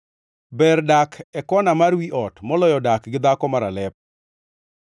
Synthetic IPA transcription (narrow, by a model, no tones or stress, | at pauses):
bɛrdakʰɛkɔnamarwiʔɔtmɔlɔjɔdakɡɪd̪akɔmaɾalɛp̚